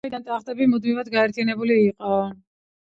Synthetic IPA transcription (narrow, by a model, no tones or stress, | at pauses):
id̪ant̪ʼaχd̪ʼɛbimud̪mivad̪ɡaɛɾt̪ʰijanɛbuliːqʼɔ